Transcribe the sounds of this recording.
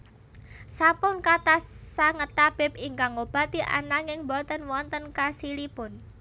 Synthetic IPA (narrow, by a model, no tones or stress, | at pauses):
sampʊnkat̪assaŋət̪ab̥ɛ̤p̚iŋkaŋob̥a̤t̪iʔa̰naŋɪŋbɔt̪ənwɔnt̪ənkasilipʊn